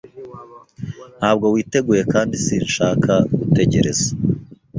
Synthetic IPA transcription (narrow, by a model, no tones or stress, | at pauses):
nhaːbɡo̞wiːte̞ɡuːje̞kaːndisiːnʃaːkʰaɡ̥ute̞ɟe̞ɾe̞̰za